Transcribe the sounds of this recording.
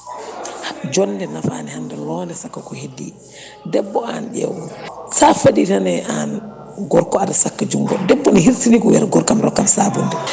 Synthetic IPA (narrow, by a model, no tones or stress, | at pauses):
hd͡ʒɔndɛnafa̰nɛhamdɛlɔndɛsakːakɔhedːḭ | dɛbːɔanɗɛ̰wsafaditanɛʔan | ɡɔɾkɔadasakːad͡ʒuŋɡɔ̰dɛbːɔnihiɾsinikɔwɛ̰ɾɡɔɾkamɾɔ̰kːamsabundɛ